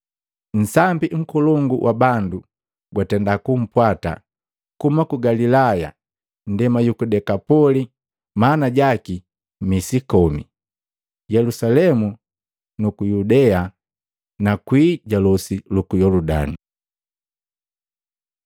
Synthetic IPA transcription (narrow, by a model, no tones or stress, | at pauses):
n̩sambiŋ̩kɔlɔŋɡuwʔabandu | ɡwatɛndakum̩pwata̰ | kumakuɡalilaja̰ | n̩dɛmajukudɛkapɔli | manaɟaki | misikɔmḭ | jɛlusalɛmu | nukujudɛa | nakwiːɟalɔsilukujɔluda̰ni